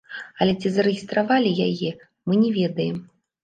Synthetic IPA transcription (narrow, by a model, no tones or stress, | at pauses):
ɐlʲɛt͡sʲizɐɾɨɣʲist̪ɾavalʲijajɛ | mɨnʲɛvʲɛd̪ɐjɛm